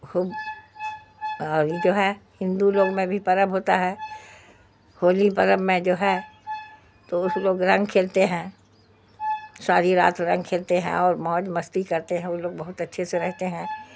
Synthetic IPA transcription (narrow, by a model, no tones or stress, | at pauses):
xʊb | ɔːɾjed͡ʒoːɦɛhɪ̃nd̪uloːɡmẽbʱipɐɾəbɦoːt̪aɦɛː | hoːlipɐɾəbmẽd͡ʒoːɦɛ | t̪oʊsloːɡɾɐ̃ŋɡkʰeːlt̪eɦɛ̃ː | saːɾiɾa̰ːt̪ɾɐ̃ŋɡ̚kʰeːlt̪eɦɛ̰̃ɔːɾmɔːd͡ʒmɐst̪ikɐɾt̪eɦɛ̃ʊloːɡ̚bɐɦʊt̪ɐtːʃʰeseɾɛɦt̪eɦɛ̃ː